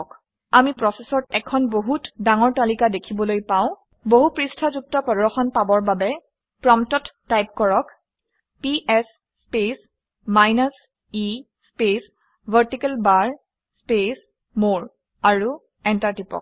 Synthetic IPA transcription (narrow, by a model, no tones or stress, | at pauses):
k | amipɹɔsesɔtɛ̰kʰɔnboɦutdaŋɔɹtalikadekʰibɔlojpaʊ̃ | boɦupɹistʰɔzuk̚tɔpɹɔdɔxɔnpabɔɹbabɛ | pɹɔmtɔtːajp̚kɔɹɔk | piʔɛsː | pes | majnas | i | spes | bʱəɹtikɛlbaɹ | spes | moɹ | aɹu | ɛntaɹtipɔ̰k̚